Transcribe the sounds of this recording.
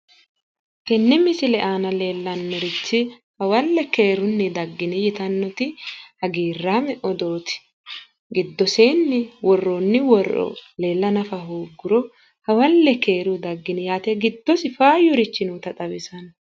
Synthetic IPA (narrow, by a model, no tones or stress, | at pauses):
kɛnːɪmɪsɪlɛʔaːnɐle̞ːlːɐnːɔɾɪt͡ʃːɪ | hɐwɐlːɛke̞ːɾʊnːɪd̪ɐɡːɪnɪjɪt̪ɐnːɔt̪ɪhɐɡiːrːaːmɛʔɔd̪o̞ːt̪ɪ̥ | ɡɪd̪ːɔseːnːɪwɔrːonːɪwɔrɔ̰le̞ːlːɐnɐfɐɦoːɡːʊɾɔ | hɐwɐlːɛke̞ːɾʊd̪ɐɡːɪnɪjaːt̪ɛɡɪd̪ːɔsɪfaːjʊɾɪt͡ʃːɪnuːt̪ɐt̪ʼɐbɪsɐn